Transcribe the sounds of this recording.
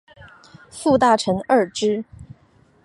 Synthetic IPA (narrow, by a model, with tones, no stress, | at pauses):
fu˥˧t̪a˥˩ʈ͡ʂʰə˧˥ŋə˞˥˩ʈ͡ʂɻ̩˥